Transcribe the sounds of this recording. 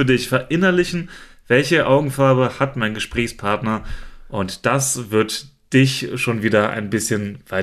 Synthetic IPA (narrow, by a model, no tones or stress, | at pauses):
ɐddɪçfɛɐʔɪnɐlɪçn̩v̥ɛlçəʔaʊɡŋ̩faɐbəhatmaɪnɡəʃpʁ̥ɛːçspʰaɐtnɐʔʊntd̥asv̥ɪɐtd̥ɪçʃoːnviːdɐʔa̰ɪnbɪsçənvaɪ